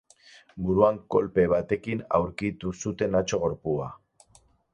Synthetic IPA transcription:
buɾuaŋko̞lpe̞βat̪e̞kina̰wɾkit̪usut̪e̞nat͡ʃo̞ɣ̞o̞ɾpua̰

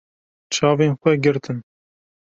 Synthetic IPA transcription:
t͡ʃʰɑːveːnxʷɛɡɨɾt̪ʰɨn

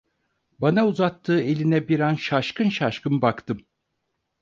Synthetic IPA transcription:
banauzat̪ʰːɯːe̞lʲinɛbiɾanʃaʃkɯnʃaʃkɯmbakt̪ʰɯm

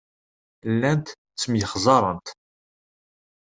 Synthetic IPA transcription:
lːænt̪ | t͡sːəmjəχzˤɑɾˤənt̪

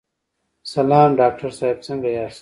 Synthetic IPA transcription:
sɐlaːmɖaːk̚ʈɐɾsaːib̚t͡sɐŋɡɐjaːs

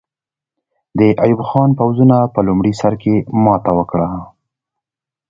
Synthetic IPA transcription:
d̪əʔajubxɑnpawzunapəlʊmɽisaɾkemɑt̪awəkɽa

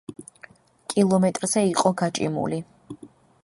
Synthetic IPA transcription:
kʼilˠɔmɛt̪ʼɾz̥ɛiqʼɔɡat͡ʃʼḭmṵli

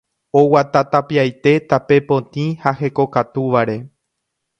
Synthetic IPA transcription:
owat̪at̪apiajt̪e̞t̪ape̞põt̪ĩhahe̞ko̞kat̪uʋaɾe̞

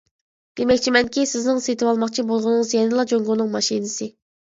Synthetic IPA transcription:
d̪̥emɛkʲt͡ʃʰimɛnkʲʰisɪznɪŋset̪ʰɪwɑlˠmɑqt͡ʃʰibolˠʁʊnɨŋɨzjɛnɪlˠɑd͡ʒoŋɡʊnɨŋmɑʃinɪsɨ

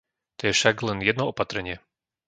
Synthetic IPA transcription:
t̪ɔjɛfʃaɡlɛnjɛd̪nɔɔpat̪ɾɛɲɪɛ

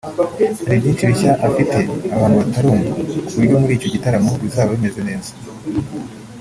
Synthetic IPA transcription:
aɾibɟiːnt͡ʃiβiçaʔafitʰe̞aβaːnhuβataɾoːŋɡakuβuɾɟo̞muɾiːco̞ɟitaɾamoβizaːβaβime̞ze̞ne̞ːzḁ

